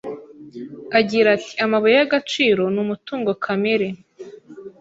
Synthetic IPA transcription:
aɟiːɾatʰi̥amaβajejaɡat͡ʃiːɾo̞nuːmutuːŋɡo̞kʰameɾe

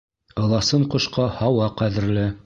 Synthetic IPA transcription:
ɤ̆lˠɑsɤɴqŏʃqɑhɑwɑqæðɘ̆ɾlɘ

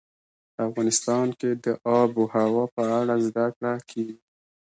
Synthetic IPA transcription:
pəafɣɑnɪst̪ɑnked̪əʔɑbohawɑpəaɽazd̪akɽakʰeɡi

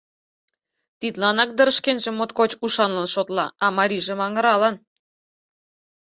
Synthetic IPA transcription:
t̪it̪lɑnɑk̚d̪ə̆ɾə̆ʃkenʒĕmot̪kot͡ɕuʃɑnlɑnʃot̪lɑɑmɑɾʲiʒĕmɑŋə̆ɾɑlɑn

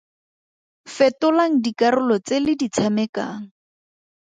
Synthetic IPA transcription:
fɛtʊlaŋ̩dikarʊlɔt͡selɪdit͡sʰamɛka̰ːŋ̩

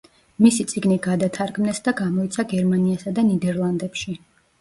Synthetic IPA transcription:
misit̪sʼiɡniɡad̪at̪ʰaɾɡmnɛsd̪aɡamɔit̪sʰaɡɛɾmaniasad̪anid̪ɛɾlˠand̪ɛpʃi

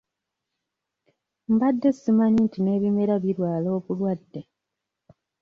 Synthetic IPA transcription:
m̩badːe̞sːimanintine̞ːβime̞ɾaβiɾwaːlo̞ːkulwadːe

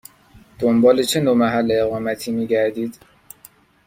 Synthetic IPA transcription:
d̪̥ombɒːlet͡ʃʰe̞nomæɦælːeːɣɒːmæt̪ʰiːmiːɟæɾd̪iːd̪̥

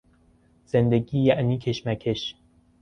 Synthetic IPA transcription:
z̥end̪ɛɡijɛʔnikʰeʃmækʰeʃ

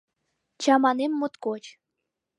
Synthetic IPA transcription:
t͡ɕɑmɑnemːut̪kot͡ɕ

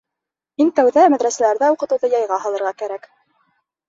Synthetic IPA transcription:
mint̪æwðæmæðɾæsælæɾðæuqɤ̆t̪ɤ̆wðɤjɑjʁɑhɑlˠɤ̆ɾʁɑkæɾæk

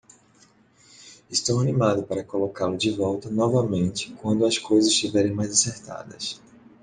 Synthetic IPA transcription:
ɪst̪owɐnimad̪ʊpaɾɐkolokalʊd͡ʒɪvɔwt̪ɐnɔvɐmẽnt͡ʃɪ̥kwɐ̃nd̪ʊɐskojzɐzʃt͡ʃivɛɾẽj̃majzaseɾt̪a̰d̪ɐ̰s

